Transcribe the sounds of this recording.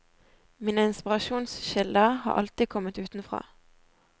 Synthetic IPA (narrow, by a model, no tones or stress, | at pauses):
miːnəɪnspɪʁɑʃuːnsʃɪld̪əhɑ̰ːʔɑ̰lt̪ɪkʰɔmət̪ʉːt̪n̩fʁɑ̰ː